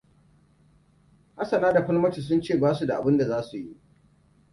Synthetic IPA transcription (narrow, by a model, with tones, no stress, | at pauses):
ha˦sɐ˨naː˦da˨ɸʷɐ˦lmɐ˦t͡ʃi˨s̬ʊ˦nt͡ʃeː˦˨baː˦su˨da˨ʔa˨bɪ˦nda˨zaː˦su˨ji˦ʔ